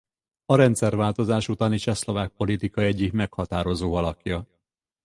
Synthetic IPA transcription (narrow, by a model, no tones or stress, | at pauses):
ɒɾɛnt̪sɛrvaːlt̪o̞zaːʃut̪aːnit͡ʃɛslo̞vaːk̚po̞lit̪ikɒɛɟːikmɛkhɒt̪aːɾo̞zoːɒlɒkjɒ